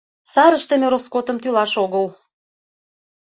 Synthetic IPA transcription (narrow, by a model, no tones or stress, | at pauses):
sɑɾəʃt̪ə̆mĕɾoskot̪ə̆mt̪ylɑʃoɣəl